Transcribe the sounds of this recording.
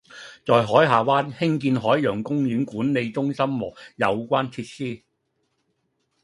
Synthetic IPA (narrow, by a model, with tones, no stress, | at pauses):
t͡sɔː˨jɦɔː˨˥jɦaː˨˩waː˥nhɪ˥ŋkiː˧nɦɔː˨˥jjœː˨˩ŋkʊ˥ŋjyː˨˥nkuː˨˥nne˨˧jt͡sʊ˥ŋsɐ˥mmɔː˨˩k̚jɐ̰˨˧wkʷaː˥nt͡sʰiː˧t̚siː˥